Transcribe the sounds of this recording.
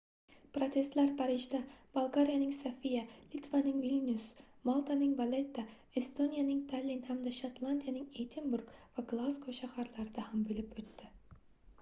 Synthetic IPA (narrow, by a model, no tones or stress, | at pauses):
pɾot̪ʲʰe̞st̪læɾpʰaɾiʒd̪ab̥alˠɡaɾijanɪŋsafijalit̪vanɪŋvilʲnʲusmɑlˠt̪anɪŋvalet̪ːa | est̪onijanɪŋt̪ʰalʲinhamd̪aʃat̪lˠanʲd̪ijanɪŋejt̪ʰinbuɾkvaɡlˠaskʰoʃahɑɾlˠɑɾɪd̪ahambɵlɪpɵt̪ːɪ